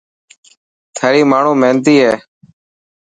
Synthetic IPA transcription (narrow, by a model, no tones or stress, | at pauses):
t̪ʰaːɾiːmaːɳ̤ũːmẽːnt̪iːɦɛː